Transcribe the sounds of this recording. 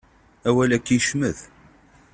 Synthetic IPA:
æwælækːiʃməð

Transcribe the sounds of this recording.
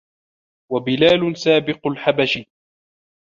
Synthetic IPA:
wabɪlaːlʊsaːbɪqʊlħabaʃi

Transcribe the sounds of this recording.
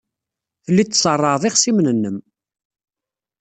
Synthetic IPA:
θəlːit̪ːsˤərˤːɑðˤɪχsimnənːəm

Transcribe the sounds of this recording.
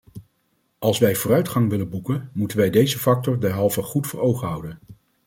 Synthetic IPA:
ʔɑlˠsʋɛjvʊːrœɥtχɑŋʋɪlənbukənmutənʋɛjdejzəfɑk̚tɔɹdɛɹɦɑlˠvəχutfəɹowχəɦʌwdən

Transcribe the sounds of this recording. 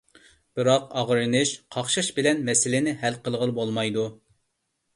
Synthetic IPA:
b̥ɨɾɑqɑʁɾɨnɨʃqʰɑχʃɑʃbɪlɛnmɛsɪlɪnɪɦælqəlˠʁəlˠbolˠmɑjd̪u

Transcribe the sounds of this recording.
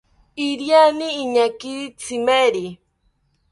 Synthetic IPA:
iɾjaniːɲakit͡sʰimeɾi

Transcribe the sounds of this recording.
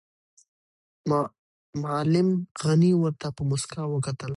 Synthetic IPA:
mɑlɪmɣaniwəɾt̪apəmʊskawəkat̪əl

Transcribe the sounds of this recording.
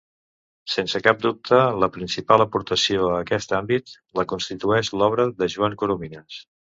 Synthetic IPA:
sensəkap̚d̪up̚t̪ʰələpɾinsipaləpuɾt̪əsioəkɛst̪ambit̪ | ləkunst̪it̪uɛʃlɔβ̞ɾəðəʒuaŋkuɾuminəs

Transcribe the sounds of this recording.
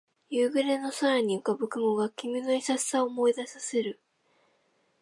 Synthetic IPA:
jɯːɡɯ̟ɾe̞no̞saɾaɲ̟iokabɯ̟kɯ̟mo̞ɡakʲimʲinoisassaomo̞id̪asase̞ɾɯ̟

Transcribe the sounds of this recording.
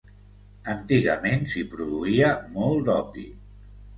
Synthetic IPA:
ənt̪iɣəmensipɾuðuiəmɔlˠd̪ɔpḭ

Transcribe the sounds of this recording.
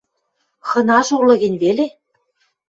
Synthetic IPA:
xɤ̆nɑʃurlɤ̆ɣɘ̆nʲβele

